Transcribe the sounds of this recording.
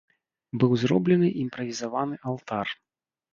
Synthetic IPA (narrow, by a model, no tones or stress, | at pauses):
bɨwzɾɔblʲɛnɨʔimpɾɐvʲizavanɨʔalˠt̪ar